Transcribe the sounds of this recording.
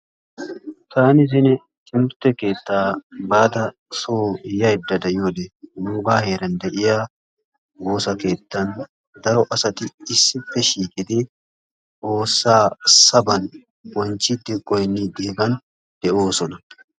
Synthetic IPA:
t̪aːnɪs̬ɪn | t͡ʃʼɪmʊɾt̪ːɛke̞ːt̪ːaːbaːd̪ɐ | soːɪjːɐd̪ːɐd̪ɐjoːd̪enuːbaːhe̞ːɾɐnd̪ɛʔɪjaː | woːsɐke̞ːt̪ːɐn | d̪ɐɾɔʔɐsɐt̪ɪɪsːɪfːɛʃiːkʼɪd̪ɪ | ʔo̞ːsːaːsɐbɐn | wɔnt͡ʃːɪd̪ːɪkʼɔjnːid̪eːbɐn | d̪̥ɛʔoːsɔnɐ

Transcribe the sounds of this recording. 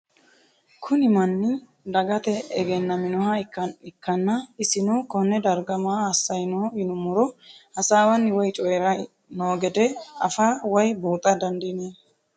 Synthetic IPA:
kʰʊnɪmɐnːɪ | d̪ɐɡɐt̪ɛɛɡɛnːɐmɪnɔɦɐkːɐɪkːɐnːɐɪsɪnoːkɔnːɛd̪ɐɾɡɐmaːhɐsːɐjnoːɪnʊmʊɾɔhɐsaːwɐnːɪwɔjt͡ʃʼɔjɛɾɐ | noːɡɛd̪ɛɐfaːwɔjbuːt̪ʼɐd̪ɐnd̪ɪneː

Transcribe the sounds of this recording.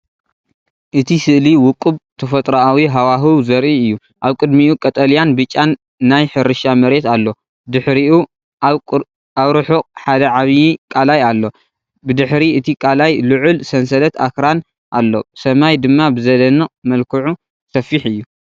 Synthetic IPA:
ʔɨt̪ʰisɨʔliwʊkʼɨβt̪ʰɐfɐt̪ʼɾaawiɦawaɦɨwzɐɾʔiɨjːu | ʔaβkʼɨd̪miukʼɐt̪ʼɐljanbɨt͡ʃʼːanː | ajħɨɾɨʃamɐɾe̞t̪alːo̞ | d̪ɨħɾiu | aβɾɨħukʼħad̪ɐʕaβjikʼalajalːo̞ | bɨd̪ɨħɾiʔɨt̪ʰikʼalajlɨʕʊlsɐnsɐlɐt̪a̰kɾan | ʔa̰lːo̞̰sɐmajd̪ɨmːabɨzɐlɐnɐmɐlkʰɨʕu | sɐfːiħɨjːu

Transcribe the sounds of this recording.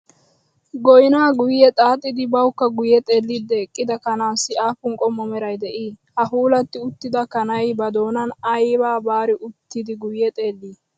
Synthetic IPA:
ɡɔjnaːɡʊjːɛt̪ʼaːt̪ʼːɪd̪ɪbɐwʊkːɐɡʊjɛt̪ʼe̞ːlːid̪ːɛːkʼːɪd̪ɐkɐnaːsɪaːfʊŋkʼɔmːɔmɛɾɐjd̪ɛʔiː | hɐfuːlɐt̪ːɪʊt̪ːɪd̪ɐkɐnɐjbɐd̪o̞ːnɐnɐjbaːbaːɾɪʔʊt̪ːɪd̪ɪɡʊjːɛt̪ʼe̞ːlːiː

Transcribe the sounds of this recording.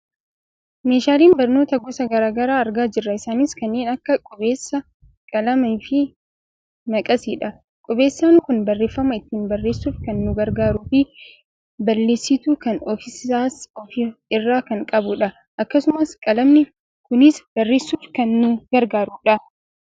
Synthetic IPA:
me̞ːʃaːliːnbɐɾno̞ːt̪ɐɡɔsɐɡɐɾaːɡɐɾaːɐɾɡaːd͡ʒɪrːɐɪsaːnɪskɐnːeːnɐkːɐkʼɔbe̞ːsːɐ | kʼɐlɐmɐfɪ | nɐkʼɐsiːᶑɐ | kʼɔbe̞ːsːaːnkʊnbɐrːe̞ːfːɐmɐɪt̪ːiːnbɐrːeːsːuːfkɐnːʊɡɐɾɡaːɾufɪ | bɐlːe̞ːsːɪt̪uːkɐnɔfɪsaːsɔfɪɪrːaːkɐŋkʼɐbʊᶑɐ | ʔɐkːɐsʊmɐskʼɐlɐmnɪ | kʊnɪsbɐrːe̞ːsːuːfkɐnːʊɡ̥ɐɾɡaːɾuːᶑɐ

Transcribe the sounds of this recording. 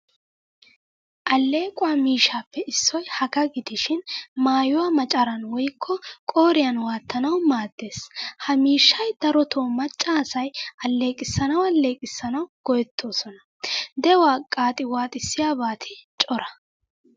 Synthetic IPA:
ʔɐlːe̞ːkʼʊwaːmiːʃːaːpːɛʔɪsːɔjhɐɡɐɡɪd̪ɪʃɪnmaːjʊwaːmɐt͡ʃʼɐɾɐnwɔjkʰːɔkʼoːɾɪjɐnwaːt̪ːɐnɐwmaːd̪ːe̞ːshɐmiːʃːɐjd̪̥ɐɾɔt̪ʰoːmɐt͡ʃʼːaːsɐjɐlːe̞ːkʼɪsːɐnɐwɐle̞ːkʼɪsːɐnɐwɡ̥ɔjɛt̪ʰːo̞ːsɔnɐ | d̪ɛwaːkʼaːt̪ʼɪwaːt̪ʼɪsːɪjaːbaːt̪ʰɪt͡ʃʼɔɾɐ

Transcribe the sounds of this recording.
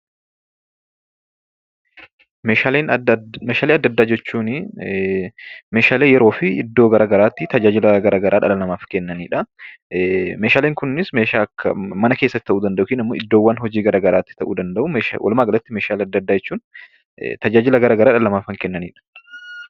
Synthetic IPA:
meːaleːnmeːʃaːleːɐd̪ːɐd̪ːaːd͡ʒɛt͡ʃːuːnɪ | meːʃaːleːjɛɾo̞ːfɪɪ̰d̪ːo̞ːɡɐɾaɡɐɾaːt̪ːɪt̪ɐd͡ʒaːd͡ʒɪlɐɡɐɾʔaːɡɐɾʔaːᶑɐ̰lɐlɐmaːfkɛnːɐniːᶑɐ | meːʃaːleːŋkʊnnɪsmeːʃaːkʰːɐmɐnɐkeːsːɐt̪ːɪt̪ɐʔuːd̪ɐnd̪ɐʔʊkɪnɪmːoːɪd̪ːo̞ːwːɐnɦɔd͡ʒiːɡɐɾʔaːɡɐɾaːt̪ːɪt̪ɐʔuːd̪ɐnd̪ɐʔʊmḛːwɐ̰lmaːɡɐlɐt̪ːɪmeːʃaːlɐd̪ːɐd̪ːaːd͡ʒɛt͡ʃːuːn | t̪ɐd͡ʒaːd͡ʒɪlɐɡɐɾaːɡɐɾaːᶑɐlɐmaːfɐŋkɛnːɐniːᶑɐ̥

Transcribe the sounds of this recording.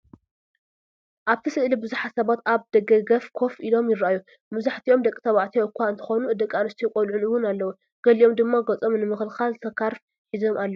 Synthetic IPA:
ʔaβt̪ʰisɨʔlibɨzuħat̪sɐβat̪aβd̪̥ɐɡɐɡɐfkʰo̞fʔilo̞mjɪraaju | mɨzaħt̪ʰiʔomd̪ɐkʼːi̥t̪ʰɐβaʕt̪ʰiʔɨkʷʰaɨnt̪ʰɨ̥xonuɨd̪ɐkʼːanɐst̪ʰikʼolʕunɨwːʊnalːɐwu | ɡ̥ɐliʔo̞md̪ɨmːaɡɐt͡sʼo̞mnɨmɨxɨlxalzɨt̪ʰɐkʰːaɾf | ħizo̞malːɐw

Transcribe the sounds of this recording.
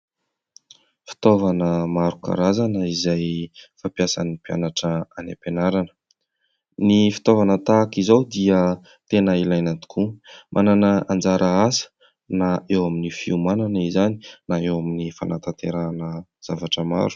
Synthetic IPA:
fi̥t̪ovanəmaɾuka̰ɾazanəizajfapjasa̰nipia̰naʈ͡ʂəanḛpenaɾanə̥ | nifi̥t̪ovanət̪akizawd̪iə | t̪enəilajnat̪i̥kʰumʔananəand͡zaɾʔəazə̥ | naewaminifiumananizani̥naewaminifa̰nʔat̪at̪eɾanəz̥avaʈ͡ʂəma̰ɾu̥

